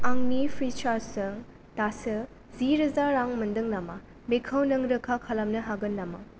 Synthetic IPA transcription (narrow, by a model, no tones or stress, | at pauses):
aŋnipʰɾit͡ʃaɾsɯŋ | tasɯ | ziɾɐzaɾːaŋmɐndɯŋlama | mekʰɐwnɐŋɾɯkʰakʰɐlɐmnɐɦaɡɯnlama̰